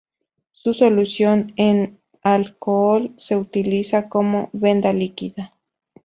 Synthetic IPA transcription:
susolusjonen | alkoolseut̪ilisakomoβend̪alikiða

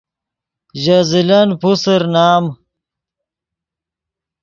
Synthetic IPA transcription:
ʑazilɐnpusəɾnaːm

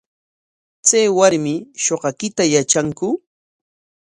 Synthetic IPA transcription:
t͡sajwaɾmɪʃoɢɑkɪt̪ajat͡ʃaŋkʊ

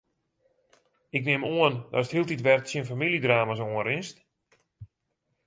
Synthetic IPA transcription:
ɪknɪmoəndɔ̰səthilˠtitʋɛrtsjiənfamilidraːmas̬oənrɪnst

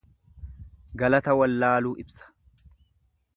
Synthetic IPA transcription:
ɡɐlɐt̪ɐwɐlːaːluːʔɪbsɐ̥

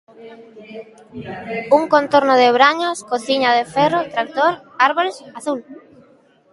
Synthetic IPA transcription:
uŋkont̪oɾnʊðɪβ̞ɾaɲoskoθiɲaðefɛrot̪ɾak̚t̪oɾ | aɾβoɾesaθul

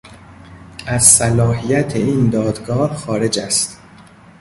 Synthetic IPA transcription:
ʔæzsælɒːɦijæt̪ʰeiːnd̪ɒːd̪ɡɒːhxɒːɾe̞d͡ʒæst̪

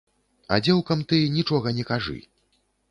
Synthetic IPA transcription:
ɐ̰d͡zʲɛwkɐmt̪ɨnʲit͡ʂɔɣɐnʲɛkaʐɨ̰

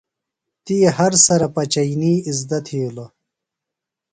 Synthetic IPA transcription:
t̪ijehɐɾsɐɾɐpɐt͡ɕɐjniːizd̪ɐt̪ʰiːlo

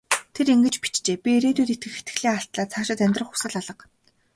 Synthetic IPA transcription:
t̪ʰeɾiŋɡɘ̆t͡ɕpi̥t͡ɕt͡ɕeːpʲieɾeːt̪uːt̪et̪ɡɘ̆xe̥t̪ɡɘ̥̆ɮeːŋaɬt̪ɮaːt͡sʰaːʃɪ̆t̪æmʲt̪rə̆χxʊ̥sə̆ɮaɮə̆q

